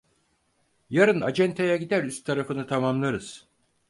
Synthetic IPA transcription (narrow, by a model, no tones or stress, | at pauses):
jaɾɯna̰d͡ʒɛnt̪ʰejaɟid̪æɾyst̪t̪ʰːaɾafɯnɯt̪ʰamamlˠaɾɯz̥